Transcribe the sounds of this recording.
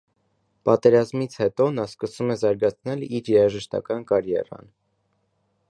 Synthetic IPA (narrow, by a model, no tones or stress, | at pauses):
pɑt̪ɛɾɑzmit͡sʰhɛt̪ɔnɑskəsumɛzɑɾɡɑt͡sʰnɛliɾjɛɾɑʒəʃt̪ɑ̰kɑnkɑɾjɛ̰rɑ̰n